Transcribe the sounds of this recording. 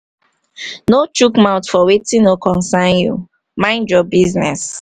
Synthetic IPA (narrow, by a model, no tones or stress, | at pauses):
not͡ʃukmaʊtfɔwetĩnokɔ̃nsanjṵ | mãɪ̃nd͡ʒɔb̚biznɛs